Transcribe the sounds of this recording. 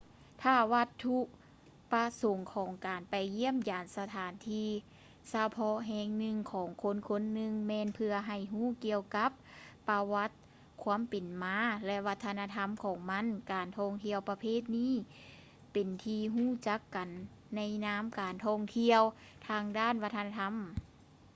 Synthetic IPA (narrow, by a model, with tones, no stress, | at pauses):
t̪ʰaː˧˩wa˧t̪ʰːu˧ʔ | pa˧so˨˧˦ŋkʰɔː˨˦ŋkaː˨˩npa˨˩jːi˧˥˩əmjaː˨nsa˧t̪ʰaː˨˦nt̪ʰiː˧˥ | sa˧pʰɔ˧ɦɛː˧ŋnɯ˧ŋkʰɔː˨˦ŋkʰo˧˥˨nkʰo˧˥nːɯ˧ŋmɛː˧˥npʰɯ˧ɐɦa˨˩jɦuː˧˥˩ki˧əwka˧˦˥p̚ːa˧wa˧˥t̪̚ | kʰu˧˥ə˨mpe˨˩nmaː˧˥lɛ˧wa˧t̪ʰːa˧naː˧t̪ʰa˧˥˨mkʰɔː˨˩˦ŋma˧˥˨nkaː˨˩nt̪ʰɔː˧˩ŋt̪ʰi˧əwpa˧pʰeː˥˨t̪̚niː˧˥˨ | pe˨˩nt̪ʰiː˧ɦuː˧˥˩t͡ɕa˧˦˥kːa˨˩nː | a˧˥jnaː˧˥˨mkaː˨nt̪ʰɔː˧˩ŋt̪ʰi˧əw | t̪ʰaː˧ŋdaː˥˨nwa˧˥t̪ʰːa˧na˧t̪ʰa˧˥m